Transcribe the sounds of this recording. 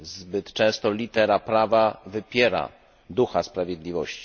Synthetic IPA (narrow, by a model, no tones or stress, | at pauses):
zbɘt̪t͡ʂɛ̃w̃st̪ɔlʲit̪ɛɾapɾavavɘpʲjɛɾa̰ | d̪uxaspɾavʲjɛd̪lʲivɔɕt͡ɕi̥